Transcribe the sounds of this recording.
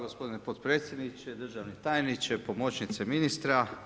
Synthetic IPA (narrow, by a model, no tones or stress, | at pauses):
ɡospo̞d̪inepot̪pɾe̞ːt̪sjed̪nit͡ʃed̪r̩ʒaʋnit̪aːjnit͡ʃepo̞mo̞t͡ʃnit̪seminist̪ɾa